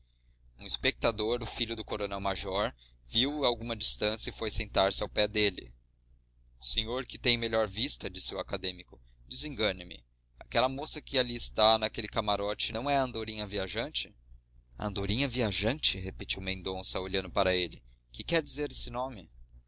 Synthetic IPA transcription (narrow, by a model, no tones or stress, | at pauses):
ũispek̚t̪ad̪oɾʊfiʎʊd̪ʊkoɾonɛwmaʒɔɾ | viwawɡũmɐd͡ʒist̪ɐ̃sjɐɪfojsẽnt̪aɾsɪawpɛd̪elɪ̰ | ʊseɲoɾkɪt̪ẽj̃meʎɔɾvist̪ɐd͡ʒisɪuakad̪ẽmikʊ | d̪ɪzẽŋɡɐ̃nɪmɪ̰ | akɛlɐmosɐkɪaliɪst̪anɐkelɪkamaɾɔt͡ʃɪnɐ̃w̃ɛɐ̃nd̪oɾĩɲɐviaʒɐ̃nt͡ʃɪ | ɐ̰̃nd̪oɾĩɲɐviaʒɐ̃nt͡ʃɪɦeped͡ʒiwmẽnd̪õsɐoʎɐ̃nd̪ʊpaɾɐelɪ | kɪkɛɾd͡ʒizeɾesɪnõmɪ